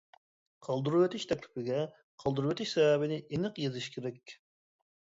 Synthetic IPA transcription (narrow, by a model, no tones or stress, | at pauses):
qʰɑlˠd̪uɾuwet̪ʰɪʃt̪ʰɛkʲlʰɪ̥pʰɪɡʲɛ | qʰɑlˠd̪uɾuwet̪ʰɪʃsɛbɛbɪnɪʔenɨqjezɪʃkʲʰeɾɛkʲ